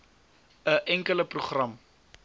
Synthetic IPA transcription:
əʔɛŋkələpruχrɐm

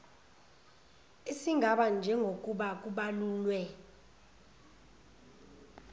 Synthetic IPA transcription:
isiŋʱaɓand͡ʒʱɛŋɡʱok̬ʼuɓak̬uɓaluːlwɛ

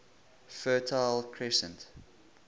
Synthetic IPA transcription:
fɜːtʰaɪlkʰɹɛsə̰̃nt

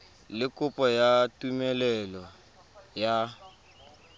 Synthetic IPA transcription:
lɪkʼʊpʼɔjatʼumɛlɛlɔ | ja

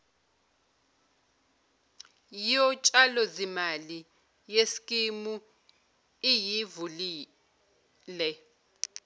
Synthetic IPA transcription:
jijɔt͡ʃʼalɔzimali | jesi̥kʼimu | ijivuliː | lɛ

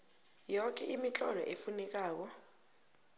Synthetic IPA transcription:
jɔk̬ʰʼɛʔimit͡ɬʼɔlɔʔefunɛk̬aːk̬ɔ

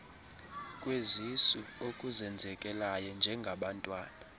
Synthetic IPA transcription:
kʼwezisiokʼuzɛnd͡zʱɛkʼɛlajɔnd͡ʒʱɛŋɡʱaɓantʼwaːna

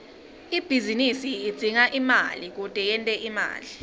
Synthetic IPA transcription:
ib̥ʱizinisiid̥d͡z̥ʱiŋaʔima̰lik̬ud̥ʼʱɛjɛntʼɛʔima̰ːli

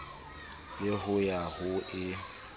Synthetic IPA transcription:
lɪɦʊjahʊʔɪ

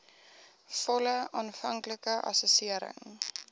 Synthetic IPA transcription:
fɔləʔɑːnfɐŋkləkəʔɐ̰sosiəɾə̰ŋ

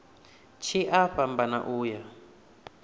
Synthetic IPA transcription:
t͡ʃʰiʔaɸambana̰ʔuːja

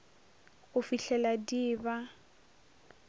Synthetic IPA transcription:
ɣʊfiɬɛladiːba

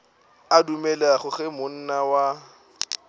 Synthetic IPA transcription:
adumɛlaχʊχɛmʊn̩nawa

